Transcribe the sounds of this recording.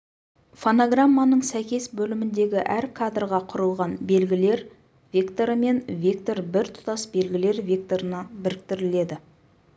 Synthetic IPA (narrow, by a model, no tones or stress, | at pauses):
fonoɡramːanəɴsæjkʲe̞sbɵlɪmɪnd̪e̞ɡʲɪʔæɾkʰad̪rʁɑqʰʊɾəlˠʁɑnbe̞lɡʲɪle̞ɾ | vʲekt̪oɾəme̞nvʲek̚t̪o̞ɾbɪɾt̪ʰʊ̥t̪ɑsbe̞lɡʲɪle̞ɾvʲek̚t̪o̞ɾənɑbɪɾɪk̚t̪ɪɾɪle̞d̪ɪ